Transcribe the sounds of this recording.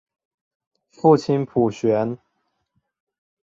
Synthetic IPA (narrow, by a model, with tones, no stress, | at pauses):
fu˥˩t͡ɕʰi˦˥npʰu˨˩ɕɥɛ˧˦˥n